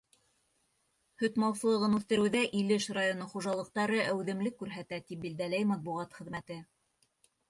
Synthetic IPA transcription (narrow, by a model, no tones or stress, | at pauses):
hɵ̆t̪mɑwsɤ̆lˠɤ̆ʁɤnʉθt̪ɘ̆ɾɘ̆wðæʔilɘʃrajonoχuʒɑlˠɤ̆q̚t̪ɑɾɤʔæwðɘ̆mlɘkːʉɾɦæt̪æt̪ip̚bild̪ælæjmɑt̪̚buʁɑt̪χɘ̆ðmæt̪ɘ